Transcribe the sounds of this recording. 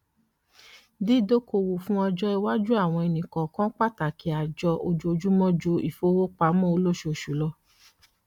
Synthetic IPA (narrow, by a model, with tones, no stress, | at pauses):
di˦˨do˦ko˧˨wo˨fũ˦ɔ˧d͡ʒɔ˦i˧wa˦d͡ʒu˦a˦˨w̃ɔ̃˧e˧nĩ˨kã˨kã˦k͡pa˦˨ta˨kʰi˨˦a˨d͡ʒɔ˧ʔo˧d͡ʒo˦o˧d͡ʒu˦mɔ̃˦d͡ʒo˧˦ḭ˦˨fo˦wo˦k͡pa˧˦mɔ̃˦˨o˧lo˦˨ʃo˧˨ʃu˨˦lɔ˧